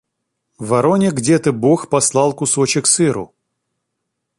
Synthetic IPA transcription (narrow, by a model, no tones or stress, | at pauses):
vɐɾonʲɪɡdʲet̪ɨboxpɐslˠɑlˠkʊsot͡ɕɪksɨɾʊ̰